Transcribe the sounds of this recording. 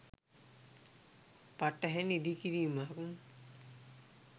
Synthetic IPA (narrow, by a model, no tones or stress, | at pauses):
paʈːɐɦɛnid̪ikiɾiːmaːkuŋ